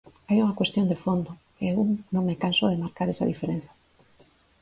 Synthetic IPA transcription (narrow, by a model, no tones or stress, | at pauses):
ajuŋakwest̪jond̪efond̪okeewnõŋmekansoðemaɾkaɾesa̰ðifeɾen̟θḁ